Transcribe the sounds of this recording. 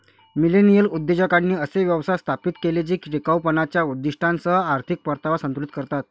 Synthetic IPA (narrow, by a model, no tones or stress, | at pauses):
milenijəlud̪ːjed͡ʑəkanːiːəseʋjəʋsast̪ʰapit̪keled͡ʑiːkɾikawpənat͡ɕjaud̪ːiʂʈʰant͡səɦaɾt̪ʰik̚pəɾt̪aʋasənt̪ulit̪̚kəɾt̪at̪